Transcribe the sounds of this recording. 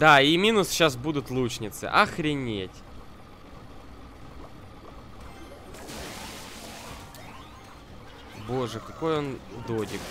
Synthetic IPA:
d̪aimʲinʊsɕasbud̪ʊt̪lˠut͡ɕnʲɪt̪sɨ̰ʔɐxɾʲɪnʲetʲ | bo̞ʐɨkɐko̞jond̪odʲɪk

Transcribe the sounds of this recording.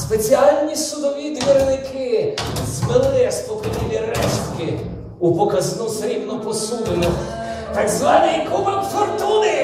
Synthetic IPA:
spesʲialʲnʲisʊd̪ɔʋʲid̪ʲʋʲiɾnɪkʰɪzmɪlˠɪɛspɔkɐnʲilʲɪɾɛʃt̪kʲɪ | upɔkɐznusɐɾʲimnɔpɔsud̪ɪmʊ | t̪ɐɡzvanʲikupɐmfɔrt̪unɪ

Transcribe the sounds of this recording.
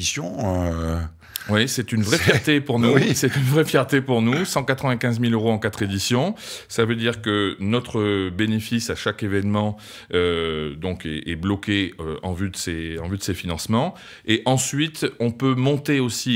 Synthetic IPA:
sjɔ̃ø | wisɛt̪ynvʁɛfjɛt̪epuʁnusɛt̪ynvʁɛfjɛʁt̪epuʁnusɑ̃kat̪χəvɛ̃kʲɛ̃zmiløʁoɑ̃kat̪χed̪isjɔ̃savød̪iʁkənɔt̪χəbenefisaʃakevɛnmɑ̃ | ød̪ɔ̃kɛɛblɔkeøɑ̰̃vyd̪əseɑ̃vyd̪əsefinɑ̃smɑ̃ | eʔɑ̃sɥit̪ɔ̃pømɔ̃t̪eosi

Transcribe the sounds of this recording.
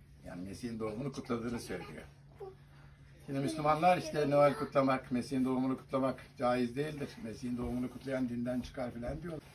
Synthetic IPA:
ja̰ːnimesihind̪o̞umunukʰut̪lˠad̪ɯːnɯsøɾelʲḭjo̰ | jinɛmyslʲymanlˠaɾiʃt̪ʰɛnoælʲkʰut̪lˠamakmesihind̪o̞umunukʰu̥t̪ʰlˠamakd͡ʒaːjizd̪e̞jilʲd̪iɾ̥mesihind̪o̞umunukʰut̪lˠajand̪ind̪ænt͡ʃʰɯ̥kʰaɾfilʲænd̪ijo̞lˠaɾ

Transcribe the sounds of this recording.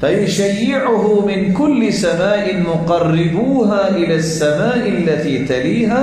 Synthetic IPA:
fajʊʃajːɪʕʊɦʊmɪnkʊlːɪsamaːʔɪnmʊqɑrːɪbuːɦaːʔɪlaːsːamaːʔɪlːat̪iːt̪aliːɦaː

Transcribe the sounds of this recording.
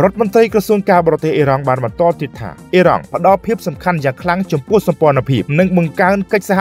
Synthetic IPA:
rŏət̪̚mont̪rəjkrɑsuəŋkaːɓɔːrt̪ehʔiːɾɑŋɓaːnɓɑnt̪ŏəlt̪iət̪ʰːa̰ːʔiːɾɑ̰ŋpə̆ɗɑlpʰiəp̚sɑmkʰanjaːŋkʰlaŋt͡ɕɑmpʊ̆əhsɑmpŏənəpʰiəp̚nɨŋɓɑŋkaənkəc̚saɦa

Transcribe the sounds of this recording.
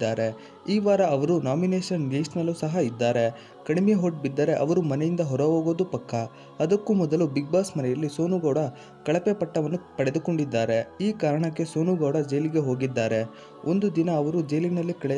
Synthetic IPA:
aːɾe̞ | iːʋaːɾɐɐʋɐɾunaːmineːʃɐnɾiːsɐnɐlːusɐɦɐid̪ːaːɾe̞ | kɐɽimejeɦoʈ̚bid̪ːɐɾe̞ʔɐʋɐɾumɐnɛjind̪ɐɦɔɾɐʋoːɡo̞ːd̪upɐkːɐ | ɐd̪ɐkːumɔd̪ɐlubiɡ̚baːsmɐnɛjɐlːiso̞ːnuɡɐwɽɐ | kɐɭɐpepɐʈːɐʋɐnːupɐɽe̞d̪uko̞ɳɖid̪ːaːɾe̞iːkaːɾɐɳɐkːe̞so̞ːnuɡɐwɽɐd͡ʒɐjliɡe̞ɦo̞ːɡid̪ːaːɾe̞ | ond̪ud̪inɐːʋɐɾud͡ʒɐjlinɐlːikɐɭ

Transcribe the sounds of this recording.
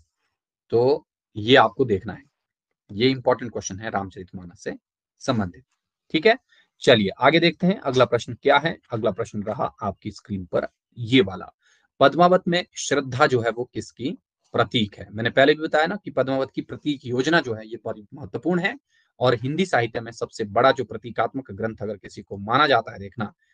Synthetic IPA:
t̪oː | jeaːp̚kod̪eːkʰnaɦɛ | jeɪ̃mpɔːɾʈə̃ɳʈ̚kwɛst͡ʃənɦɛɾaːmt͡ʃəɾɪt̪ʰmaːnəse | sɐ̃mbə̃nd̪ʱɪt̪̚ | ʈʰːiːkɦɛː | t͡ʃɐlieʔaːɡed̪eːk̚ʰt̪eɦɛ̃ʔɐɡlapɾɐʃnkjaːɦɛɐɡlapɾɐʃnɾɐɦa̰aːp̚kiskɾiːnpɐ̰ɾ | jeʋaːla̰ | pɐd̪maːʋət̪mẽʃɾɪd̪ʱːad͡ʒoːɦɛʋokɪski | pɾɐt̪iːkɦɛːmɛ̃ːnepɛɦlebʱibɐt̪aːjanakipɐd̪maːʋət̪kipɾɐt̪iːkjoːd͡ʒnad͡ʒoːɦɛjebɐɾmɐɦət̪ːwəpuːɾɳɦɛ | ɔːɾɦɪ̃nd̪isaːɦɪt̪jəmẽsɐbsebɐɽad͡ʒoːpɾɐt̪iːkaːt̪məkɡɾɐ̃nt̪ʰɐɡəɾkɪsikomaːnad͡ʒaːt̪aɦɛd̪eːkʰnaː

